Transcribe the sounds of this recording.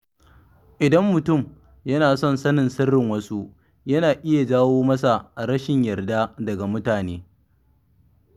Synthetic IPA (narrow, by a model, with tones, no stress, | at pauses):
ʔɪ˨dɐ˦mːʊ˨tʊ˦˨m | jɐ˦naː˨sɔ˦˨nsɐ˦nɪ˨nsɐ˦rːɪ˨ŋwɐ˦su˦ | jɐ˦naː˨ʔɪ˦ja˨d͡ʒaː˦woː˦mɐ˦sa˨ʔa˨ɾɐ˦ʃɪ˨ɲjɐ˨rda˦dɐ˨ɡa˨mʊ˦taː˨neː˦